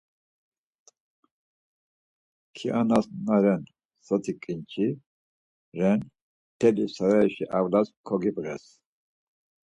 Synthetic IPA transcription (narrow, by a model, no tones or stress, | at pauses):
kʰiʔanasnaɾɛn | sət̪ʰikʼint͡ʃʰi | ɾɛn | t̪ʰɛlisaɾaɛʃiʔavlaskʰɔɡibʁɛs